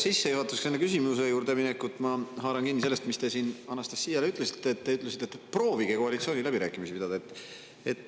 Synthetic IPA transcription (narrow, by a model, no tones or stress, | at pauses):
sisːe̞juhɑt̪ːˑusksenːekysimuse̞juːɾd̪e̞minekːˑut̪ːˑmɑhɑːɾɑnkinːise̞lːest̪mist̪e̞siːnɑnːɑst̪ɑ̥sːiːjɑleyt̪ˑlesi̥t̪ːet̪ːeyt̪ˑlesit̪ːet̪ːpro̞ːviɡ̥ekoɑlit̪sioːnʲilæbiɾæːkːˑimisipid̪ɑd̪ɑet̪ːˑ | et̪ː